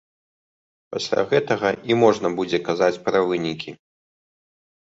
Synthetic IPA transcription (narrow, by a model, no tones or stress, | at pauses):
pasʲlʲa̰ɣɛt̪ɐɣɐʔimɔʐnɐbud͡zʲɛkazat͡sʲpɾɐvɨnʲikʲi